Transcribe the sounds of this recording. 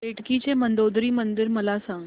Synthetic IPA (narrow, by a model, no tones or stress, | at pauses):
eʈkit͡ɕemənd̪od̪ɾiːmənd̪ɪɾməlasãŋɡ